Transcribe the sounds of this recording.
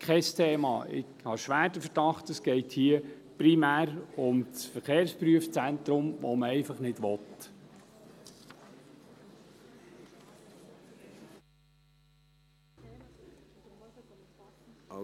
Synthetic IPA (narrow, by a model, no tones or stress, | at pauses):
kʰɛstʰeːmɑ̰ːʔɪ̰khɑʃʋæːɾd̥əfəɾdɑχtəsɡ̥ɛɪthiə | pɾimæːɾʊmt͡sfəɾχeːɾspɾyəft͡sæntɾʊmʋɔ̰məɛɪfɑχnɪd̥ʋɔt̪